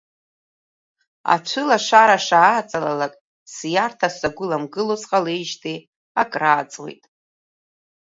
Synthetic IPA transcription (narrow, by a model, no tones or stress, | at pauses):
a̰t͡ʃʷʰɨlaʂaɾaʂaːt͡sʼalalakʼ | sjartʰasaɡʷʊlamɡɨlozqʼalejʒtʰi | akʼraːt͡sʼwḛjtʼ